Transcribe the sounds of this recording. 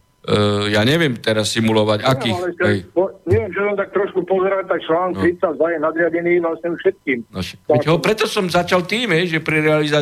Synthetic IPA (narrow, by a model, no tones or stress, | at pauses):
jaːɲɛʋɪɛmt̪ɛɾasːimulɔʋaɟakiːlɛsɛpɔɲɛʋjɛmsisɔmt̪ak̚t̪ɾɔʃkupɔzɛɾat̚t̪ak̚t͡ʃlaːnk̚t̪ɾit͡sazajɛnad̪ɾɪaɟɛniːʋlasɲɛufʃɛt̪̚kiːmnɔʃɛ̥aɛɦɔpɾɛt̪ɔsɔmzat͡ʃalt̪iːmɦɛjʒɛpɾiɾɛaliza